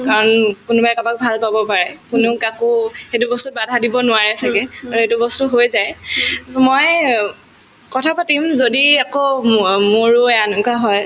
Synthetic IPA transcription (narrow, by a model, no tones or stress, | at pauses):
kaɹɔnkʊnubaɛkabak̚bʱalpabɔpaɹɛkʊnɛʊkakʊxetubɔstut̚badʱadibɔnʊaɹɛsakɛaɹuetubɔstʊɦojzaj | mɔj | kɔtʰapatimzodiakomoɹuɛankaɦɔj